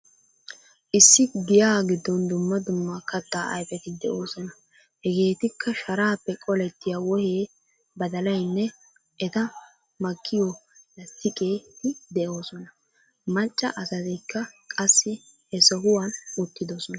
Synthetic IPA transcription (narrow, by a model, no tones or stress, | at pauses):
ʔɪsːɪɡɪjaːɡɪd̪ːɔnd̪ʊmːɐd̪ʊmːɐkɐt̪ːaːʔɐ̰jfɛt̪ɪd̪ɛʔo̞ːsɔnɐ | hɛɡe̞ːt̪ɪkʰːɐʃɐɾaːpːɛkʼɔlɛt̪ːɪjawɔheː | bɐd̪ɐlɐjnːɛ | ɛt̪ɐ | mɐkʰːɪjɔlɐst̪ːɪkʼeːt̪ɪd̪ɛʔo̞ːsɔnɐ | mɐt͡ʃʼːɐ̰ʔɐsɐt̪ɛkʰːɐkʼɐsːɪhɛsɔɦʊwɐnʊt̪ːɪd̪ɔsɔnɐ